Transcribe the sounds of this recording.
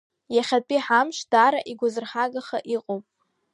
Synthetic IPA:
jaχʲapʼiħamʃd̥aːɾaʔiɡʷazɨrħaɡaχaʔiqʼowpʼ

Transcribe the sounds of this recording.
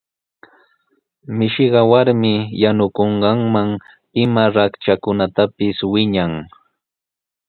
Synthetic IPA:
mɪʃɪɢɑwaɾmɪjanʊkoɴɢɑŋmaŋ | ɪmaɾakt͡ʃakʊnat̪apɪswɪɲaŋ

